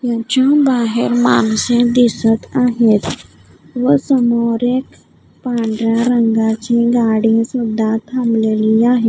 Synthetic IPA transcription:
jãt͡ɕabaɦeɾma̰nsẽd̪isət̪aɦet̪ | ʋəsəmoɾek | paɳɖɾjaɾəŋɡat͡ɕeɡaɽisud̪ʱːat̪ʰamleliːaɦe

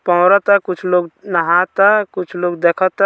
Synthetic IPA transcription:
pɔ̃ːɾət̪akʊt͡ʃʰloːɡnəɦãt̪akʊt͡ʃʰloːɡd̪ekʰət̪a

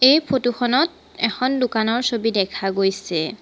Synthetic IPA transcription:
ejpʰotuxɔnɔt̚ | ɛxʰɔndukanɔɹsobidɛkʰaɡojsɛ

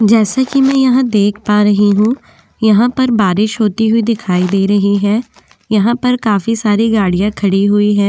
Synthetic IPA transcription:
d͡ʒɛːsakimɛ̃jɐɦãd̪eːkʰpaːɾɐɦiɦũ | jɐɦãpɐɾbaːɾɪʃɦoːt̪iɦʊid̪ɪkʰaːid̪eːɾɐɦiɦɛ̃ː | jɐɦãpɐɾkaːfisaːɾiɡaːɽijãkʰɐɽiɦʊiɦɛ̃ː

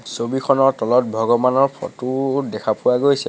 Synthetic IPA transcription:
sobikʰɔnɔɹtɔlɔt̚bʱɔɡɔmanɔɹpʰɔ̰tʊdɛkʰapʊwaɡojsɛ

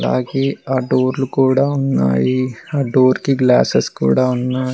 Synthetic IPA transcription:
la̰ːɡeːaːɖoːɾlukuːɽaːunːa̰ːjiaːɖoːɾkiɡlaːseskṵːɽaːunːaːi

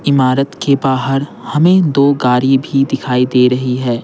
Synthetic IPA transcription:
ɪmaːɾət̪kebaːɦəɾhɐmẽd̪oːɡaːɾibʱid̪ɪkʰaːid̪eːɾɐɦiɦɛː

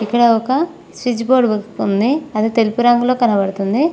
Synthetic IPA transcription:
ikːɐɽɐɔkɐ | sɾid͡ʒboːɾɖbɐkund̪iɐd̪et̪elupuɾɐŋɡulo̞ːkɐnɐbɐɽt̪und̪i

